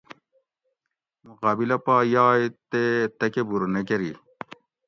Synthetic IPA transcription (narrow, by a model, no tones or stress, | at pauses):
muqaːbilɐpaːjaːjt̪et̪ɐkebuɾnekeɾi